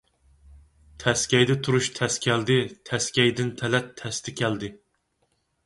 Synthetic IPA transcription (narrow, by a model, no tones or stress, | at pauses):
t̪ʰɛskʲɛjd̪ɛt̪ʰuɾuʃt̪ʰɛskʲʰɛld̪ɪt̪ʰɛskʲɛjd̪ɪnt̪ʰɛlɛt̪ʰːɛst̪ʰɛkʲʰæld̪ɪ